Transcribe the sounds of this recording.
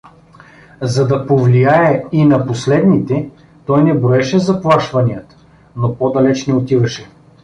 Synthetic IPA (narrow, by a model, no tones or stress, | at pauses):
zɐd̪ɐpovlijaɛinɐposlɛd̪nit̪ɛ | t̪ɔjnɛbɾoɛʃɛzɐplˠaʃvɐnijət̪ | nopɔd̪ɐlɛt͡ʃnɛot̪ivɐʃɛ